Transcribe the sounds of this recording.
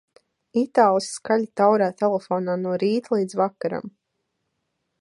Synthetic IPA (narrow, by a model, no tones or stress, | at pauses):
it̪aːlˠiskaʎʲt̪awɾaːt̪ɛlˠefɔːnaːnuɔɾiːt̪lˠiːd̪zvakːaɾa̰m